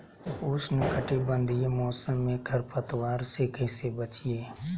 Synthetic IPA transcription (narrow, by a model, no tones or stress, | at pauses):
ʊsnəkəʈibə̃nd̪ijemɔːsəmːẽkʰəɾpʰət̪waːɾsekɛsebət͡ʃijeː